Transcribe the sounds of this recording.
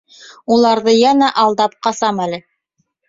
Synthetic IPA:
ulˠɑɾðɤjænæʔɑlˠd̪ɑp̚qɑsɑmælɘ

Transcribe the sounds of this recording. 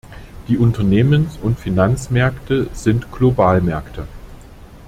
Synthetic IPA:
d̥iːʔʊntɐneːmənsʊntfinant͡smɛɐktʰəz̥ɪntɡ̥lobaːlmɛɐktʰə

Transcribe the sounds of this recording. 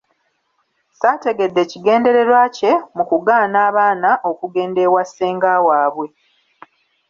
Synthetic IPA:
saːte̞ɡe̞dːe̞ciɡe̞ːnde̞ɾe̞ɾwaːce̞mukuɡaːnaːβaːnaʔo̞kuɡe̞ːnde̞wasːeːŋɡawaːβwe̞

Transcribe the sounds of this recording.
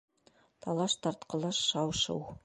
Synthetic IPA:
t̪ɑlˠɑʃt̪ɑɾt̪qɤ̆lˠɑʃːɑwʃɤ̰w

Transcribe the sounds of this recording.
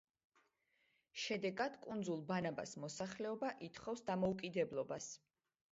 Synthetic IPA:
ʃɛd̪ɛɡad̪̥kʼund̪zulˠbanaba̰smɔsaχlɛɔbaʔit̪ʰχɔfsd̪amɔukʼid̪ɛblˠɔbas

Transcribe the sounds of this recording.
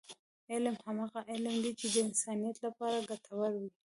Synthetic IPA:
ɪlmhamɑɣaʔɪlmd̪et͡ʃed̪əɪnsɑnijat̪lapɑɾaɡat̪ʰawaɾwi

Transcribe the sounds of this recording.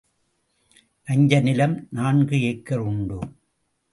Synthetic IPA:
ʔɐɲd͡ʒɐnɪlɐmnaːɳɡɯeːkːɐɾʊɳɖu

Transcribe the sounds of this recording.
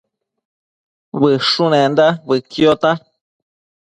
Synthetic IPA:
βɨʂunẽnd̪aβɨkjot̪a

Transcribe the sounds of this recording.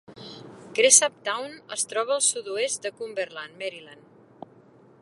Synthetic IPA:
kɾesap̚t̪awnə̰st̪ɾɔβəːlˠsut̪uest̪̚d̪əkumbəɾlanmɛɾilan

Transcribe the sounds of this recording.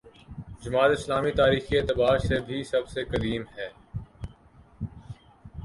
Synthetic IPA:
d͡ʒʊmaːt̪ɪslaːmit̪aːɾiːxieːt̪ɪbaːɾsebʱisɐbsekɐd̪iːmɦɛː

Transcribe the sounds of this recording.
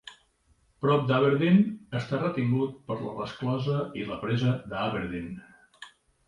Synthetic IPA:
pɾɔp̚d̪aβeɾðinəst̪arət̪iŋɡut̪̚pəɾlə̰rəsklɔzəiləpɾɛzəd̪əaβeɾðin

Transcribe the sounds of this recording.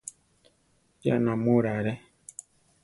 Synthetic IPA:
d͡ʒja̰namoɾaɾɛ

